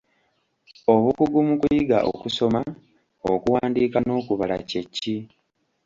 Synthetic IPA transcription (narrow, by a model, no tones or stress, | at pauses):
o̞βukuɡumukujiɡa̰ʔo̰kuso̞ma | okuwaːndiːkano̞ːkuβala̰cecːi